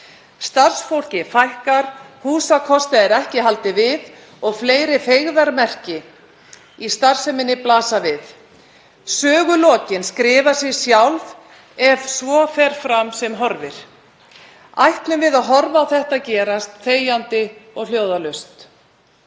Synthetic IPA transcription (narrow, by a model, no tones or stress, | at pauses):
st̪ar̥sfowl̥cɪfajhkaɾ̥huːsakʰɔst̪aɛɾɛhcɪɦalt̪ɪvɪð | ɔɣfleːjɾɪθeɣðaɾmɛr̥cɪ | ist̪ar̥sɛmɪnːɪplaːsavɪð | sœːɣʏlɔːcɪnskɾɪːvḁsjɛsjawlv | ɛvsvɔfɛɾ̥fɾamsɛmɦɔɾvɪɾ̥ | ajht̪lʏmvɪðaðɦɔɾvaːwθɛht̪aðcɛːɾast̪feːjant̪ɪɔɣljoːwðalœɥst̪